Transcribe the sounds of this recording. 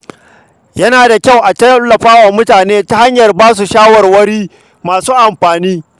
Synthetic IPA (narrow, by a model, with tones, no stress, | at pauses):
jɐ˦naː˨da˨kʲa˦˨wʔa˨tɐ˦lːɐ˨ɸaː˦wa˨mʊ˦taː˨neː˦ta˦ha˦ɲjɐ˨rbaː˦s̬u˨ʃaː˦wɐ˨rwɐ˦ɽiː˦ | maː˨suː˦ʔa˨mɸaː˨niː˦